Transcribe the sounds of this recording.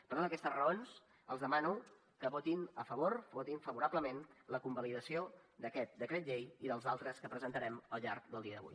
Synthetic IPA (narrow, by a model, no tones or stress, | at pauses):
pəɾtoəkɛst̪əzrəons | ə̰lˠzəmanuw | kəβot̪inəfəβorβot̪iɱfəβuɾabləmenləkumbəliðəsiod̪əkɛt̪̚d̪əkɾɛt̪ʎejiðəlˠzalˠt̪ɾəskəpɾəzənt̪əɾɛməlˠʎaɾkd̪əlˠd̪iəðəβṵj